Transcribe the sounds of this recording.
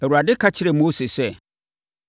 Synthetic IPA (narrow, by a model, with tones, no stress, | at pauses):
ɛ˨wu˨ɾa˨dɪ˦kʰa˦t͡ɕʰɪ˦ɾɛ˨mo˦sɪ˨sɛ˦